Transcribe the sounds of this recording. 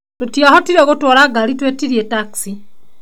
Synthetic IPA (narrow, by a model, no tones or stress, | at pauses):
totjahotiɾeɣotwoːlaɡalitwetiɾjetaksi